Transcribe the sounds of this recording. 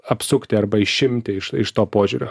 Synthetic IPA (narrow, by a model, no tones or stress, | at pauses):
ɐpsʊkt̪ʲɪɐɾbɐɪʃʲɪmʲt̪ʲɪɪʃɪʃt̪oːpoːʒʲuːɾʲoː